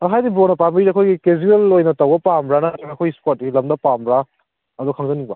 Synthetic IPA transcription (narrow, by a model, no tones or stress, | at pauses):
aɦajdibonɐpambiiɐkʰojɡikezuelojnɐtɐwbɐpambɾanaɐtameɐkʰojispot̚ːɡilɐmdɐpambɾa | ɐdɔkʰaŋzɐniŋba